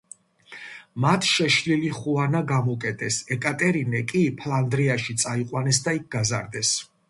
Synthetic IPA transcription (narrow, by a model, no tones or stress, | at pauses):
mat̪ʰʃɛʃliliχuanaɡamɔkʼɛt̪ʰʼɛsɛkʼat̪ʼɛɾinɛkʼipʰland̪ɾiaʃit̪sʼaiqʼwanɛsd̪aik̚ʰɡaza̰ɾd̪ɛs